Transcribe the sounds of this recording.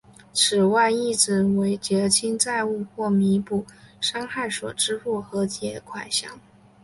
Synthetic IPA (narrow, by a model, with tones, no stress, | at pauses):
t͡sʰɻ̩˨˩wa˥˧ɪi˥˩t͡sɻ̩˥˩we˧˥ɪt͡ɕjɛ˧˥t͡ɕʰi˥ŋt͡sa˥˧ɪu˥˧xwɔ˥˩mi˧˥pu˥˩ʂɑ˥ŋxa˥˩ɪswɔ̰˨˩ʈ͡ʂɻ̩˥fu˥˩xɤ˧˥t͡ɕʰjɛ˧˥kʰwa˨˩ɪɕjɑ̰˥˦ŋ